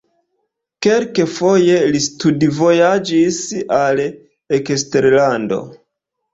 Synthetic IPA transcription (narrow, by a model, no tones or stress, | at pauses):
ke̞lkefo̞je̞listudvo̞jad͡ʒisal | ekesteɾlando̞̰